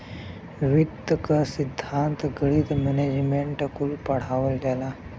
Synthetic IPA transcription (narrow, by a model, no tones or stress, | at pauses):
ʋid̪əkəsid̪ʱːant̪ɡəɽiːd̪mɛned͡ʑmeɳʈkulpəɽ̤aʋəld̪ala